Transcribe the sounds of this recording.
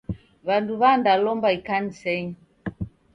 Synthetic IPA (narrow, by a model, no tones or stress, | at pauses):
βanduβandalɔmbaikanisɛɲi